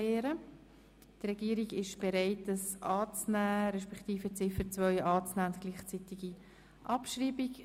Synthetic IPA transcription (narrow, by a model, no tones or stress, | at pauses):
eːɾə | trɛɡ̥iːəɾiɡɪʃb̥eɾaɪtəsʔɑːt͡snæːɾɛʃpɛktiːfət͡sɪfət͡svœʏʔɑːt͡snæːʊntɡ̥liːχt͡sitiɡi | ʔɑpʃriːbik